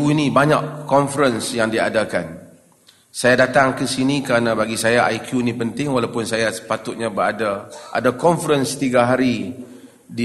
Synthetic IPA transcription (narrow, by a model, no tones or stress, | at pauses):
uinĩbaɲaʔkɔnfəɾənsjaŋdiadakan | sajadat̪aŋkəsinĩkəɾanãbaɡisajaʔa̰jkʰjuinĩpənt̪ɪŋwalawpʊnsajasə̥pat̪ʊt̪̚ɲãbəɾadaʔa̰dakɔnfəɾənst̪iɡaɦaɾi | di